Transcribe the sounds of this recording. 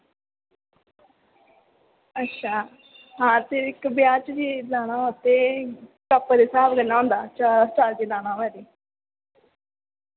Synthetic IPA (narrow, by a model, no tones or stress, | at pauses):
ətːʃʰaː | ɦãːt̪eɪkbjaːt͡ʃd͡ʒiːlaːñãːoːt̪eːkəpːd̪eːsaːbɡənːaːɦõːnd̪aːt͡ʃaːɾsʈaːld͡ʒiːlaːnãːʋɛːɾiː